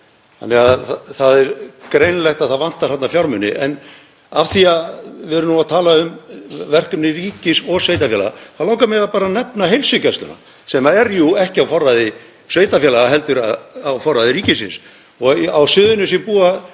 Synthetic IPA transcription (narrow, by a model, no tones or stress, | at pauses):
a̰nɛɣaðθaðɛɾkɾejnlɛht̪aðθaðvan̥t̪aɾ̥hat̪nafjawɾmʏnːɪ̰ʔɛ̰n | afθiaðvɪɛɾʏnuat̪ʰaːlaʏmvɛr̥kʏmnɪriːcɪsɔɣsveːjt̪afjɛla̰ɣa̰θalaːwkamɛɾapaːɾanɛpnaɦejlsʏcɛst̪ʏ̰na̰ | sɛmaɛɾjuɛhcɪawfɔrːajðɪ | svejt̪afjɛlaɣaɦɛlt̪ʏɾaawfɔrːaðɪɾiːcɪsɪns | ɔɣawsʏðʏnʏs̬jɛpuːa